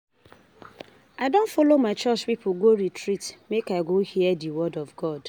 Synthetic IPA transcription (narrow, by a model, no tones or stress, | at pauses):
aɪdõnfolomaɪt͡ʃɔt͡ʃpipʊɡoɾitʰɹitmekaɪɡohiɛdiwɔdɔvɡɔd